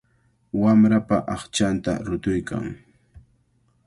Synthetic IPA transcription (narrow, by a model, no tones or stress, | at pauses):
wamɾapaʔɑχt͡ʃant̪a̰ɾʊt̪ʊjkʰa̰ŋ